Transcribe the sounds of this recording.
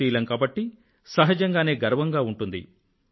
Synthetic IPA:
iːlɐŋkaːbɐʈːi | sɐɦɐd͡ʒɐŋɡaːne̞ːɡɐɾʋɐŋɡaːuɳʈund̪ḭ

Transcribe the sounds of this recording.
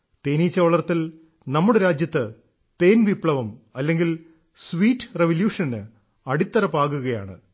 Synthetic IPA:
t̪eːniːt͡ɕːɐʋɐɭɐrt̪ːil | nɐmːuɽeɾaːd͡ʑjɐt̪ːɨ | t̪eːnʋipɭɐʋɐmɐlːe̞ŋɡil | sʋiːʈːreʋɐljuːʂɐnːɨ | ɐɽit̪ːɐɾɐpːaːɣuɣɐja̰ːɳɨ̰

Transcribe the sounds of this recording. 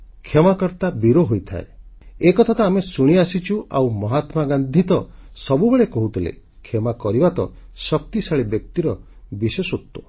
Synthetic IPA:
kʰemakɔɾt̪abiɾoɦojt̪ʰa̰eekɔt̪ʰat̪aamesuɽ̃iasit͡ʃuʔawmɔɦat̪maɡand̪ʱit̪ɔsɔbubeɭekɔɦut̪ʰilḛ | kʰemakɔɾibat̪ɔ̰sɔk̚t̪isaɭibjɔk̚t̪iɾɔ | bisesot̪ːo

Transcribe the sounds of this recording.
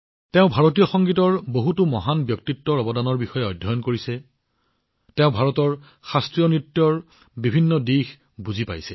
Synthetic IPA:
tɛʊ̃bʱaɹot̬ijɔxɔŋɡitɔɹboɦutʊmɔɦanbjɔk̚titːɔɹɔbɔdanɔɹbixɔjɛɔjdʱːɔjɔnkoɹisɛ | tɛʊ̃bʱaɹɔtɔɹ | xastɹijɔnɹitːjɔɹ | bibʱinːɔdix | buzipa̰jsɛ

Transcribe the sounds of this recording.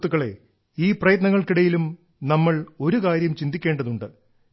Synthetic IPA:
t̪ːuɣɐɭe̞̰ | iːprɐjɐt̪̬nɐŋːɐɭkiɽɐjilum | nɐmːɐɭo̞ɾukaːɾjɐmt͡ɕind̪ikʲːe̞ːɳɖɐðuɳɖɨ

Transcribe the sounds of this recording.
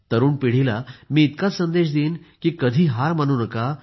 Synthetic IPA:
t̪əɾuːnpiɽ̤ilamiːt̪kat͡ssənd̪eɕ̬d̪iːnkiːkəd̪ʱiːɦaɾmañuːnəka

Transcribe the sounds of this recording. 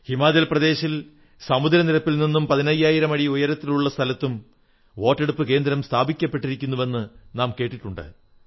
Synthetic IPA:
himaːd͡ʑɐlprɐd̪e̞ːɕil | sɐmud̪ɾɐniɾɐpːilninːumpɐðinɐjaːjiɾɐmɐɽiujɐɾɐt̪ːiluɭːɐst̪ʰɐlɐt̪ːum | o̞ːʈːe̞ɽupːɨke̞ːnd̪ɾɐmst̪ʰaːbʱikʲːɐpːe̞ʈːiɾikʲːunːuʋe̞nːɨnaːmke̞ːʈːiʈːuɳɖɨ̰

